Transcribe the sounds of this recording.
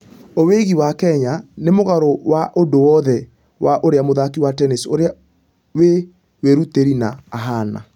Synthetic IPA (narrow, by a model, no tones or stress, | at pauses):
oweɣiwakɛɲanemoɣaɾowaʔodowɔðɛ | wʔaʔoɾeamoðakiwatɛnesoɾea | we | weɾuteɾinaːɦana̰